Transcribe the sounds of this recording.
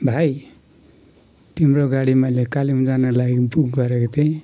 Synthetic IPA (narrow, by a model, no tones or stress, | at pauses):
bʱaj | t̪imɾoɡaɽimʌjlekaliɦũd͡zanʌlaɡibuɡɡʌɾekot̪ʰe